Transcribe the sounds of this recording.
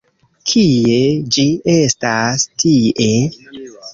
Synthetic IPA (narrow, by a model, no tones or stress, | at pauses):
kʰie̞d͡ʒie̞stastʰie